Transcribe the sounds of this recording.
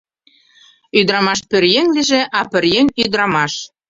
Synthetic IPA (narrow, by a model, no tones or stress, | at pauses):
yd̪ɾɑmɑʃpø̆rjenʲliʒĕʔɑpɘ̆rjenyd̪ɾɑmɑʃ